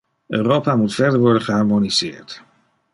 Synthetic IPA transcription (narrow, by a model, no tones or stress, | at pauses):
øːrowpaːmutfɛɹdəɹʋɔɹdəχəɦaɹmoniz̥ɪ̰ːɹt